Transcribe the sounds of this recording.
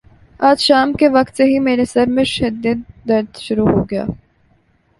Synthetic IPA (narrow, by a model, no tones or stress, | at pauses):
aːd͡ʒʃaːmkeʋɐkt̪seɦimeːɾesɐɾmẽʃɐd̪id̪̚ːɐɾd̪ʃʊɾuɦoːɡɐja̰ː